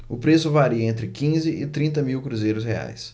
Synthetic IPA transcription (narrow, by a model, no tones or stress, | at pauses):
ʊpɾesʊvaɾiɐẽnt̪ɾɪkĩzɪɪt̪ɾĩnt̪ɐmiwkɾuzejɾʊshea̰js